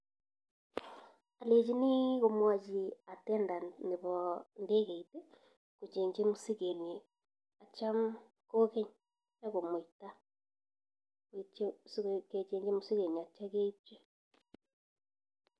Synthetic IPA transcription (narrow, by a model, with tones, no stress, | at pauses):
a˨le˨d͡ʒi˦ni˦ɣo˨mwa˨d͡ʒi˨a˨tɛː˦nda˨ne˨βɔ˨nde˦ɣe˨ite˦ | ko˨t͡ʃeː˨ɲd͡ʒe˦mo˨si˦ɣe˨ni˨ | a˨t͡ʃa˦m | ko˦ɣe˦ɲ | na˦ɣo˨mwta˦ | et͡ʃske˨t͡ʃeː˨ɲd͡ʒe˦mo˦si˦ɣe˨ɲi˨a˨t͡ʃa˦ɣe˦te˦